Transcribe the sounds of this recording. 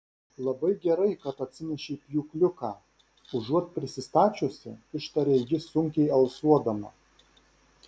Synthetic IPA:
lˠɐbɐɪɡʲɛɾɐɪkɐt̪ɐt̪ʲsʲɪnʲɛʃʲiːpʲjʲuːklʲʊkɑː | ʊʒuɔt̪̚pʲɾʲɪsʲɪst̪ɑːt͡ʃʲʊsʲɪ̰ɪʃt̪ɐɾʲeːjɪsʊŋʲkʲɛɪɐlˠsuɔd̪ɐmɐ

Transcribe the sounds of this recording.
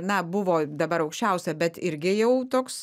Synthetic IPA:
nɐbʊʋoːd̪ɐbɐɾɐʊkʃʲt͡ʃʲɛʊsʲɛbʲɛt̪ɪɾʲɡʲɪjɛʊt̪oːks

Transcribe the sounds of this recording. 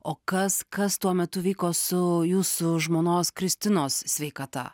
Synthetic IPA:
oːkɐskɐst̪uɔmʲɛt̪ʊʋʲiːkoːsʊjuːsʊʒmoːnoːskɾʲɪsʲt̪ʲɪnoːssʲʋʲeːkɐt̪ɑ̰

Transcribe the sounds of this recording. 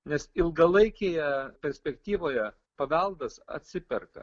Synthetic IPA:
nʲɛsɪlˠɡɐlˠɐɪkʲeːjɛpʲɛɾʲsʲpʲɛkt̪ʲiːʋoːjɛ | pɐʋʲɛlˠd̪ɐsɐ̰t̪ʲsʲɪpʲɛrkɐ̰

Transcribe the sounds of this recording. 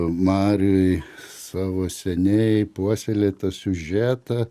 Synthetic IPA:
mɑːɾʲʊjsɑːʋoːsʲɛnʲɛpuɔsʲɛlʲeːt̪ɐsʲʊʒʲæːt̪ɐ

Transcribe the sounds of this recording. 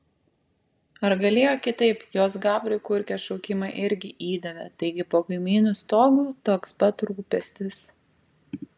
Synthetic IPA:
ɐɾɡɐlʲeːjoːkʲɪt̪ɐɪpjoːs̬ɡɑːbɾʲʊɪkʊɾʲkʲɛːʃɔʊkʲɪmɑʔɪɾʲɡʲɪʔiːd̪ɐʋʲɛt̪ɐɪɡʲɪpoːkɐɪmʲiːnʊst̪oːɡuːt̪oːkspɐt̪ɾuːpʲɛsʲt̪ʲɪs

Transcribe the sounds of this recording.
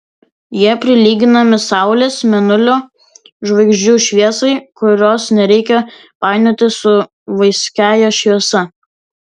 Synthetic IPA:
jiɛpʲɾʲɪlʲiːɡʲɪnɐmʲɪsɑˑʊlʲesmʲɛnʊlʲoː | ʒʋɐɪɡʒʲd͡ʒʲuːʃʲʋʲiɛsɐɪkʊɾʲoːsnʲɛɾʲɛɪkʲɛ | pɑˑɪnʲoːt̪ʲɪsʊ | ʋɐɪsʲkʲæːjɛʃʲʋʲiɛsɐ

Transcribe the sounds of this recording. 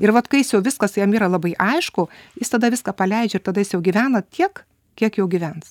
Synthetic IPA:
ɪɾʋɐt̪kɐɪjɪsjɛʊʋʲɪskɐsjɛmiːɾɐlˠɐbɐɪʔɐɪʃkʊjɪst̪ɐd̪ɐʋʲɪskɑːpɐlʲɛɪd͡ʒʲɛɪrt̪ɐd̪ɐjɪsjɛʊɡʲiʋʲæːnɐt̪ʲʰiɛk | kʲiɛkjɛʊɡʲiʋʲɛns

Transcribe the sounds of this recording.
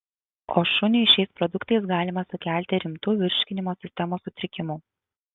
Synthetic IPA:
oːʃʊnʲɪʃʲɛɪspɾɔd̪ʊkt̪ɐɪsɡɑːlʲɪmɐsʊkʲæˑlʲˑt̪ʲɪɾʲɪmt̪uːʋʲɪɾʲʃʲkʲɪnʲɪmoːsʲɪsʲt̪ʲɛmoːsʊt̪ʲɾʲɪkʲɪmuː

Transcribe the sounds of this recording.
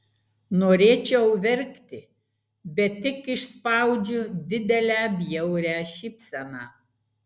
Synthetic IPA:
noːɾʲeːt͡ʃʲɛʊʋʲɛɾʲkt̪ʲɪ | bʲɛt̪ʲːɪkɪʃspɑˑʊd͡ʒʲʊd̪ʲɪd̪ʲɛlʲæːbʲjɛʊɾʲæːʃʲɪpʲsʲɛnɑ̰ː

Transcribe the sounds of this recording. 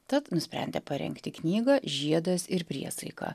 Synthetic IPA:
t̪ɐt̪nʊsʲpʲɾʲɛ̰nʲd̪ʲɛ̰pɐɾʲɛ̰ŋkt̪ʲɪknʲiːɡɑːʒʲiɛd̪osɪɾpʲɾʲiɛsɐɪkɑ̰ː

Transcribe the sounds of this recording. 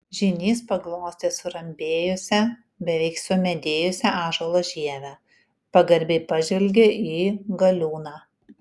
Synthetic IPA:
ʒʲɪnʲiːspɐɡlˠoːsʲt̪ʲeːsʊɾɐmʲbʲeːjʊsʲɛ | bʲɛʋʲɛɪksʊmʲɛd̪ʲeːjʊsʲɛɑːʒolˠoːʒʲiɛʋʲæ | pɐɡɐɾʲbʲɛɪpɐʒʲʋʲɛlʲɡʲeʔiːɡɐlʲuːnɑː

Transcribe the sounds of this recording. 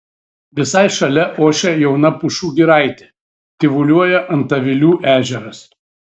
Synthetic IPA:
ʋʲɪsɐɪʃɐlʲɛʔoːʃʲɛjɛʊnɐpʊʃuːɡʲiɾɐɪt̪ʲe | t̪ʲɪʋʊlʲuɔjɛʔɐnt̪ɐʋʲɪlʲuːʔæːʒʲɛɾɐs

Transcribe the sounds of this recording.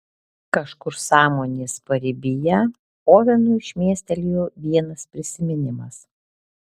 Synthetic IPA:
kɐʃkʊɾsɑːmoːnʲeːspɐɾʲɪbʲɪjɛ | oːʋʲɛnuːɪʃʲmʲiɛsʲt̪ʲɛlʲjoʋʲiɛnɐspʲɾʲɪsʲɪmʲɪnʲɪmɐs

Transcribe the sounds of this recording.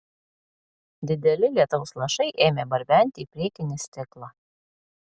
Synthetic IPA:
d̪ʲɪd̪ʲɛlʲɪlʲiɛt̪oʊslˠɐʃɐɪʔeːmʲeːbɐɾʲbʲæˑnʲt̪ʲɪiːpʲɾʲiɛkʲɪnʲɪsʲt̪ʲɪklˠɑː

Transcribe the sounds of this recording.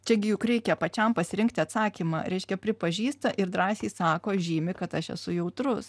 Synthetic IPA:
t͡ʃʲɛɡʲɪjʊkɾʲɛɪkʲɛpɐt͡ʃʲɛmpɐsʲɪɾʲɪŋk̚t̪ʲɪɐt̪sɑːkʲiːmɑ̰ːɾʲɛɪʃʲkʲɛpʲɾʲɪpɐʒʲiːst̪ɐʔɪɾd̪ɾɑːsʲeːsɑːkoːʒʲiːmʲɪkɐt̪ɐʃɛ̰sʊjɛʊt̪ɾʊs

